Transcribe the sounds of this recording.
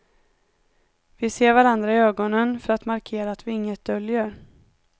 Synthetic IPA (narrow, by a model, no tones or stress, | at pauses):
vɪseːɾvaɾand̪ɾaɪøːɡɔnənfœɾat̪maɾkʰeːɾaːt̪vɪɪŋːət̪̚d̪œljəɾ